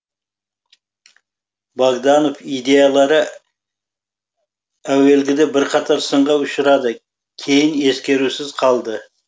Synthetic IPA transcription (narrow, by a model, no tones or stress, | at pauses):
bɑɡd̪ɑno̞fijd̪e̞jɑlˠɑɾə | æwe̞lɡʲɪd̪ebɪɾqʰɑt̪ʰɑɾsəɴʁɑʊʃəɾɑd̪ə | kʲʰe̞jɪne̞skʲe̞ɾusɪzqʰɑlˠd̪ə